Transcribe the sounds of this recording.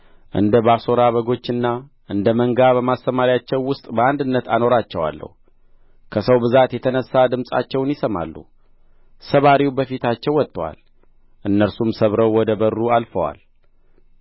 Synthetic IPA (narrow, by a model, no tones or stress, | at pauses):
ʔɨ̰nd̪əbaso̞ɾaβəɡo̞t͡ʃːɨnːa | ʔɨnd̪əməŋɡabəmasəmaɾijat͡ʃːɛwːʊst̪ʼbəand̪ɨnːət̪ʰano̞ɾat͡ʃːɛwa̰lːə̰hu | kʰəsəwbɨzat̪jɛt̪ʰənəsːad̪ɨmsʼa̰t͡ʃːɛwnjɪsəma̰lːṵ | səβaɾiwubəfit̪ʰat͡ʃːɛwːɔt̪ʼːəwa̰l | ʔɨnːəɾsumsəβɾəwːɔd̪əbərːualfəwa̰l